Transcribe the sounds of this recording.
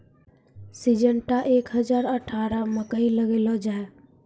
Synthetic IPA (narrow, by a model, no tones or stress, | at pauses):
sid͡ʒəɳʈaʔekɦəd͡ʒaɾəʈʰaɾaməkəiləɡelɔd͡ʒae